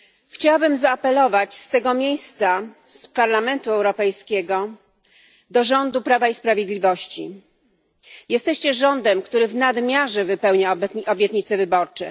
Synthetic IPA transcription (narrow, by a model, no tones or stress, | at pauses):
xt͡ɕawabɘmzaːpɛlɔvat͡ɕst̪ɛɡɔmʲjejst̪sa | spaɾlamɛnt̪uɛwɾɔpɛjskʲɛɡɔ | d̪ɔʐɔnd̪upɾavaispɾavʲjed̪lʲivɔɕt͡ɕi | jɛst̪ɛɕt͡ɕɛʐɔnd̪ɛmkt̪uɾɘvnad̪mʲjaʐɛvɘpɛwɲab̪ʔɔbʲjɛt̪ɲit̪sɛvɘbɔɾt͡ʂɛ̰